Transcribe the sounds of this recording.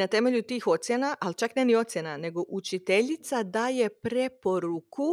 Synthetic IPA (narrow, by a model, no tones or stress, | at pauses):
nat̪e̞me̞ʎut̪iːxo̞t̪sjenaʔalt͡ʃaknenio̞t̪sjenane̞ɡoʔut͡ʃit̪e̞ʎit̪sad̪aːje̞pɾe̞po̞ɾuku